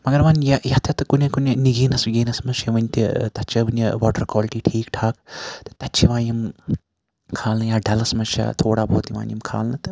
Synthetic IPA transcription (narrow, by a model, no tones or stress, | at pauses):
mɐɡɐɾmɐnjɐjɐt̪ʰɐt̪ɨkunʲekuneniɡiːnɐsiɡiːnɐsmɐʃʰɐʋɐnʲt̪it̪ɐt͡ʃʰɐʋɐnɐʋaːʈɐɾkaːlʈiːʈʰiːkʈʰaːkt̪ɨ̥t̪ɐtːt͡ʃʰiʋãːnim | kʰaːlnɐjaːɖɐlɐsmɐt͡ʃʰɐ̰t̪ʰoːɽaːbʱoːt̪iʋa̰ːnʲjimkʰa̰ːlnɐt̪ɨ